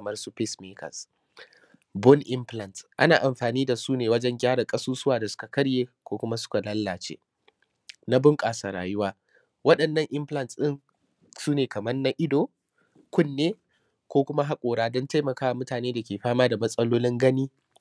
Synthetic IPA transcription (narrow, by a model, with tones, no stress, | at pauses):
mɐ˦rsu˦ɸɪ˦smiː˦kʰɐ̰˨s | bɔ˦nʔɪ˦mɸlɐ˨ntʔa̰˦naː˨ʔa˨mɸaː˨niː˦da˨suː˦neː˨wɐ˦d͡ʒɛ˦ŋɡʲaː˦ɽɐ˨kʼɐ˦suː˦sʊ˦waː˨da˨sʊ̥˦ka˨kɐ˦ɽjeː˦kʷoː˦kʷʊ˦ma˦sʊ̥˦ka˨lɐ˦lːaː˨t͡ʃḛː˦ | na˦bʊ˦ŋkʼaː˨saː˨ɾa̰ː˨jʊ˦waː˦ | wɐ˦ɗɐ˨nːɐ˦ŋʔɪ˦mɸlɐ˦nsɗɪ˦ŋ | suː˦neː˨kɐ˨mɐ˦nna˦ʔɪ˦doː˨ | kʷʊ˦nːeː˦ | kʷoː˦kʷʊ˦ma˦ɦa˦kʷʼoː˨ɽaː˦dɔ˦nta˦jmɐ˨kaː˦wa˨mʊ˦taː˨neː˦da˨kʲeː˨ɸaː˦maː˦da˨mɐ˦sʼɐ˦loː˦lɪ˦ŋɡɐ˦niː˦